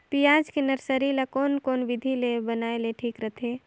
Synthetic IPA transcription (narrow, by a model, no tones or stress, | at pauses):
pijaːd͡ʒkenɐɾsəɾilakoːnkoːnʋɪd̪ʱilebənaːeleʈʰiːkɾət̪ʰeː